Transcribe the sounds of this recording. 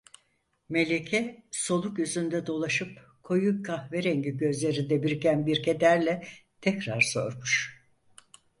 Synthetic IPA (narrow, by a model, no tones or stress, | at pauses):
me̞lʲecʰɛso̞lˠukjyzynd̪ɛd̪o̞lˠaʃɯp | kʰo̞jukʰahveɾɛɲɟiɟø̞zlʲe̞ɾind̪ɛbiɾicænbiɾcʰed̪æɾlʲɛt̪ʰɛcɾaɾso̰ɾmuʃ